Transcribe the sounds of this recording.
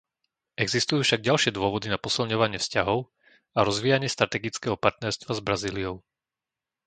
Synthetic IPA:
ʔɛɡzist̪ujuːfʃaɡ̚ɟalʃɪɛd̪ʊɔʋɔd̪inapɔsilɲɔʋaɲɪɛfscaɦɔʊ | aɾɔzʋiːjaɲɪɛst̪ɾat̪ɛɡit͡skɛːɦɔpaɾt̪nɛɾst̪ʋazbɾaziːlijɔʊ

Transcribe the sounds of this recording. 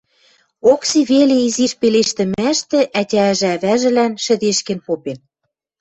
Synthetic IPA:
oksiβelĕiziʃpeleʃt̪ɘ̆mæʃt̪ĕʔætʲæ̆ʒɘ̆æβæʒɘ̆lænʃɘ̆d̪eʃkĕnpopen

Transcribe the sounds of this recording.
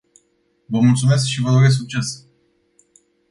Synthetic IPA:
vəmult̪sume̞s̬kʃivəd̪oɾes̬uk̚t͡ʃe̞s

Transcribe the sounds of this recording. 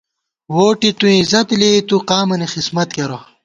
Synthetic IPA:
woːʈit̪ũizɐt̪let̪uqaːmɐnixismɐt̪̚keɾo

